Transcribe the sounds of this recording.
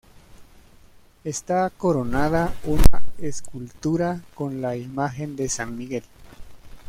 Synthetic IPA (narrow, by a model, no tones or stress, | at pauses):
est̪akoɾonaðaunaeskult̪uɾakonlaimaxend̪esanmiɣel